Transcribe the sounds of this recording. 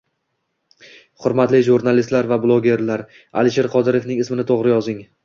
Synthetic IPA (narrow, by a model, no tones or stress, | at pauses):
χʊɾmat̪lɪʒuɾnalist̪laɾvablˠoɡʲe̞ɾlaɾ | a̰lɪʃ̬eɾqʰɒd̪ɪɾe̞fnɪŋɪsmɪnɪt̪ʰoʁɾɪjɒzɪŋ